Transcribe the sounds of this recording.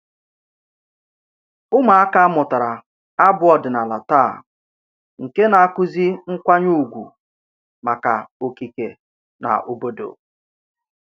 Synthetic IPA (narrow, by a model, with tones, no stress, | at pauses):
ʊ˦ma˨a˦ka˦a˦mʊ˨ta˨ɾa˨ | a˦bʊ˦ɔ˨dɪ˨na˨la˨ta˦˨ | ŋ̩˨ke˦na˨a˦kʊ˦zi˦ŋ̩˦kʷa˦ɲu˦˨ɡʷṵ˨ | ma˨ka̰˨o˨ki˨ke˨ | na̰˨ʔʊ˨bo˦do̰˨